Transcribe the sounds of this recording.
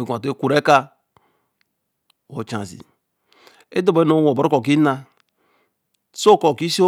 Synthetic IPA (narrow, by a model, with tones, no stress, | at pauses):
e˨ɡʷa˨te˦ku˨ɾe˦ka˦ | wo˨t͡ʃã̰˨zḭ˨ | e˦do˦˨be˦no˦˨˦wo˨bo˨ɾo˦ko˨ki˦na˦ | so˦˨ko˨ki˦so˦